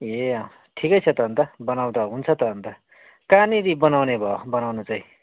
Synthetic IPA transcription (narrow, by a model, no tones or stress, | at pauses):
je | ʈʰikʌjt͡sʰʌt̪ʌːnt̪ʌbʌnawd̪ʌɦunt͡sʰʌt̪ʌːnt̪ʌ | kaniɾibʌnawnebʱʌobʌnawnut͡saĩ